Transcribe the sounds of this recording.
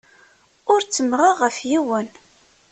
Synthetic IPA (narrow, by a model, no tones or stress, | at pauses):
ʊɾt͡sːəmʁəʁəfjiwən